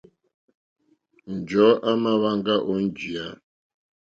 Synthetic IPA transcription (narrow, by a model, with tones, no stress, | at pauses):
n̩˨d͡ʒɔ˨˦ʔa˦ma˦βa˦ŋɡa˦ʔɔ˨˦n̩˦d͡ʒi˨a˦